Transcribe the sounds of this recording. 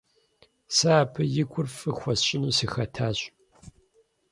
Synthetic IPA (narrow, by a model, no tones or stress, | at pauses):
sɐaːpʰɐjɪɡʷʰʼʊrfɨxʷɔsɕʼɪnuːsixɐtʰaːɕʼ